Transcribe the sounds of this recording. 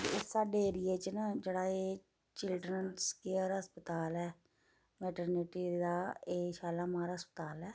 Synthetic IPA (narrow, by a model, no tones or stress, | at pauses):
ɪsaːɖeːɾieːt͡ʃnad͡ʒeːɽaːeː | t͡ʃɪlɖɾənskeəɾɦəspət̪aːlɛː | mɛːʈəɾnɪʈiːd̪aːeːʃaːlaːmãːɾaːɦəspət̪aːlɛː